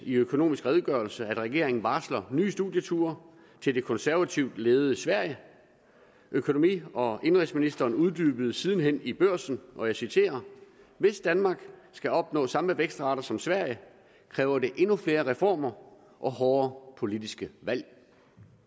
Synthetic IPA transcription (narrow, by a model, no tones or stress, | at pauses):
iøkʰo̝no̝̰ːmisɡ̥ʁɛːð̞ˠɡ̥ɶɐlsəæd̥ʁɛɡ̥e̝̰ɐ̰e̝ŋn̩ʋɑ̈slɐny̰ːsd̥uðˠjət͡sʰṵɐ | t͡sʰe̝ld̥e̝kʰɒ̽nsæɐʋæt͡sʰiʊd̥leːð̞̩ˠəsʋæɐ̰jə | ʔøkʰo̝no̝mḭːɒ̽e̝nʁisminisd̥ɐːnuðˠd̥yːb̥əð̞̩ˠəsiːð̞ˠn̩ɦen̰ib̥øɐ̰sn̩ʔɒ̽jɑ̈ɪsit͡sʰe̝̰ːɐ | ʋe̝sd̥ænmɑ̈ɡ̥sɡ̥æɒ̽b̥nɔ̰̽ːsɑ̈məʋeɡ̥sd̥ʁɑ̈ɾɐsɒ̽msʋæɐ̰jə | kʰʁɛːʊɐde̝ʔe̝nufle̝ːɐʁɛfɒ̰ːmɐ | ʔɒ̽hɒːɐpʰo̝lid̥isɡ̥əʋæl̰